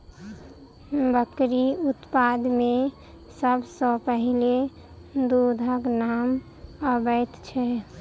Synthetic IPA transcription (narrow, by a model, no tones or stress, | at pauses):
bəkɾiut̪pad̪me | səbʱsɔ̃pəɦile | d̪ud̪ʱəknam | əbəjt̪t͡ʃʰɛ